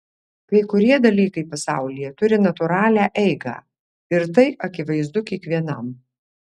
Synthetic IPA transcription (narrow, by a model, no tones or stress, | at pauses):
kɐɪkʊɾʲiɛd̪ɐlʲiːkɐɪpɐsɑ̰ˑʊlʲɪjɛt̪ʊɾʲɪnɐt̪ʊɾɑːlʲæːʔɛɪɡɑ̰ː | ɪɾt̪̬ɐɪʔɐkʲɪʋɐɪzd̪ʊkʲiɛkʋʲiɛnɐm